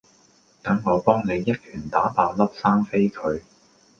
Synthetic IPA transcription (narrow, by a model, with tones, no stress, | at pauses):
t̪ɐ˨˥ŋŋɔː˨˧pɔː˥ŋne˨˧jːɐ˥t̚kʰyː˨˩nt̪aː˨˥paː˨˧lɐ˥p̚saː˥ŋfe˥jkʰɵ˨˧ɥ